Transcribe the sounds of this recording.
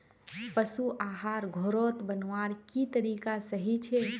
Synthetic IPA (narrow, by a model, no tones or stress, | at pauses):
pəsuʔaːɦaːɾɡʱoɾoːt̪bənʋaːɾkit̪əɾiːkasəɦit͡ʃʰe